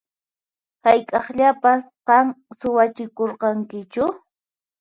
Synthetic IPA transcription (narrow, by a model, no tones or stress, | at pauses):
hajkʼɑχʎapas | qɑŋsʊwat͡ʃɪkoɾqɑŋkɪt͡ʃʊ